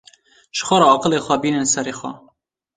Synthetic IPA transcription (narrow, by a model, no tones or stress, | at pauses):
ʃə̥xʷɑːɾɑɑːqəlexʷɛbiːnɨnsɛɾeːxʷɛ̰